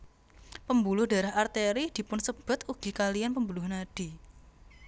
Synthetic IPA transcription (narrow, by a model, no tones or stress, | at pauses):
pəmbulʊhd̥a̤ɾahart̪eɾid̥i̤pʊnsəb̥ʊ̤t̪uɡ̥i̤kalianpəmbulʊhnaɖ̥i̤